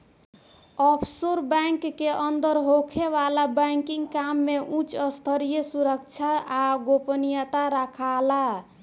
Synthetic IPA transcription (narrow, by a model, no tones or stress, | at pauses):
ɔpʰsoɾbaŋkːeʔənd̪əɾɦokʰeβalabəŋkiŋɡkamːeʔũt͡ʃəst̪ʰəɾijəsuɾəkt͡ʃʰaːɡopənijət̪aɾakʰala